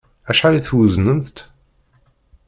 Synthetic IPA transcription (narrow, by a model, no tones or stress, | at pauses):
æʃħaliθwəznənθt̪